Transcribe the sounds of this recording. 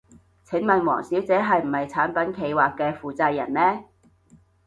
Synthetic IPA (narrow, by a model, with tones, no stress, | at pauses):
t͡sʰɪ˨˥ŋmɐ˨nwɔ̰ː˨˩ŋsi˨˥wt͡sɛː˨˥ɦɐ˨jm̩˨˩hɐ˨jt͡sʰaː˨˥npɐ˨˥nkʰe˨˧jwaː˨kːɛː˧fuː˨˧t͡sɐ˧jːɐ˨˩nmɛː˥